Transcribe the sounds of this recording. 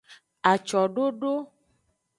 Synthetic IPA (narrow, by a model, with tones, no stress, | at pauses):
a˨t͡ʃɔ˨ɖo˦ɖo˦